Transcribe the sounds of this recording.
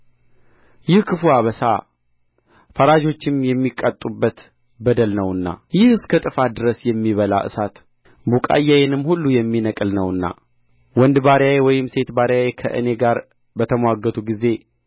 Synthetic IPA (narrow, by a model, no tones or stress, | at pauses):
jɪhkʰɨfuaβəsa̰ | fəɾad͡ʒo̞t͡ʃːɪmjɛmːikʼːət̪ʼːubːət̪ | bəd̪əlnəwɨnːa̰jɪhɨskʰət̪ʼɨfad̪ɨɾəsjɛmːiβəla̰ʔɨ̰sat̪ | bukʼa̰jːajenɨmːhulːujɛmːinəkʼɨlnəwɨnːa̰ | wɔnd̪baɾjajewɔjɪmse̞t̪baɾjajekʰə̰ʔɨ̰ne̞ɡaɾ | bət̪ʰəmwaɡːət̪ʰuɡize̞